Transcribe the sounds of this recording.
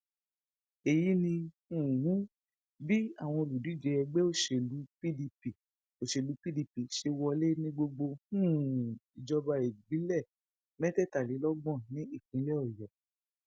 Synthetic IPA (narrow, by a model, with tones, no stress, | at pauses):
e˨ji˨˦nĩ˧hũ˦˨wũ˦ | bi˦a̰˦˨w̃ɔ̃˧o˧lu˨di˨˦˨d͡ʒɛ˨˧ɛ˧ɡ͡be˦o˦˨ʃe˨lu˨˦pi˦di˧pi˨ | o˨ʃe˨lu˨˦pi˦di˧pi˨ʃe˧wɔ˧le˦nĩ˦ɡ͡bo˧ɡ͡bo˧hũ˦˨i˨d͡ʒɔ˧ba˧e˨ɡ͡bi˨˦lɛ˦˨ | mɛ̃˦tɛ˦˨ta˨li˨˦lɔ˦ɡ͡bɔ̃˦˨nĩ˦i˦˨kĩ˨˦lɛ˦ɔ˦˨jɔ˨